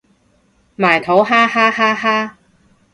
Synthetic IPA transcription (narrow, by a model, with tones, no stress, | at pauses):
maː˨˩jt̪ʰo˨˥wɦaː˥haː˥haː˥ɦaː˥